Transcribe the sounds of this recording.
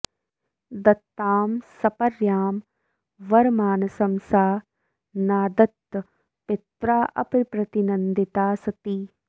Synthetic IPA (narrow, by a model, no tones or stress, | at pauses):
d̪ɐt̪ːaːmsɐpɐɾjaːm | ʋɐɾmaːnɐsɐmsaː | naːd̪ɐt̪ː | pɪt̪ɾaːʔɐpɾpɾɐt̪inɐnd̪it̪aːsɐt̪iː